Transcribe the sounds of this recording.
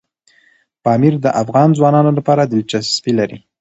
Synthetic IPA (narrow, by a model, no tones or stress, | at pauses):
pɑmiɾd̪əʔafɣɑnzwɑnɑnolapɑɾad̪ɪlt͡ʃasst̪ilaɾḭ